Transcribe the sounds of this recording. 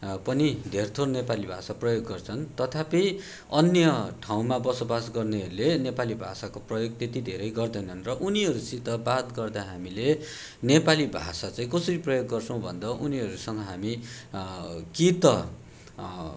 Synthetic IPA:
pʌnid̪ʱert̪ʰornepalibʱa̰saprʌjoɡːʌrt͡sʰʌnt̪ʌt̪ʰapi | ʌnjʌʈʰaw̃mabʌsobasɡʌrneɦʌɾulenepalibʱa̰sakoprʌjoɡ̚t̪et̪id̪ʱeɾʌjɡʌrd̪ʌɦnʌnrʌʔuniɦʌɾusit̪ʌbat̪ɡʌrd̪aɦamile | nepalibʱa̰sat͡sãĩkʌsʌɾiprʌjoɡːʌrt͡sʰʌ̃w̃bʱʌ̰nd̪ʌuniɦʌɾusʌŋʌɦami | kit̪ʌ

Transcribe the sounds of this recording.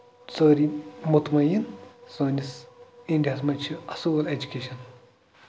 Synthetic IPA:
t͡səːɾimut̪mɐjinsoːnʲisiɳɖiɐsmɐnʲt͡ʃʰiɐsuːʋɐled͡ʒukʲeːʃɐn

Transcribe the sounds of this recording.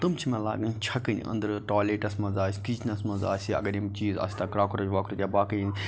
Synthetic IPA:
t̪ɨmt͡ʃʰimẽla̰ːɡɐnt͡ʃʰɐkən̰ʔɐ̰̃nd̪əɾʈaːleːʈɐsmɐnzaːsʲkid͡ʒʰnɐsmɐnza̰ːsiɐ̰ɡɐɾimt͡ʃiːzɐ̰ːsʲt̪akɾaːkuɾɐd͡ʒʋaːkʰɾut̪ʲjaːbaːkɐin

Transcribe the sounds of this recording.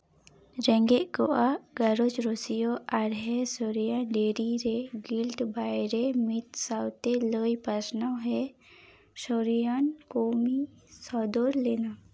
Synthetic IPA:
d͡ʒə̃ŋɡeʔkoʔaɡɐɾot͡ʃɾosijoaɾɦesoɾijaɖeːɾiɾeɡɪlʈ̪baɪɾemɪt̪sawt̪eləːjpəɾsnaɦɛ | soɾijankoːmisɔːd̪oɾleːna

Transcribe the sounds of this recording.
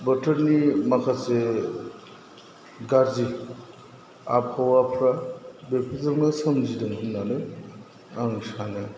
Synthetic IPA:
bətʰəɾnimakʰase | ɡaɾzi | a̰p̚hɔwapʰɾabepʰizaɾmasɔmd͡ʒidɔŋɯnnanɯ | aŋsana

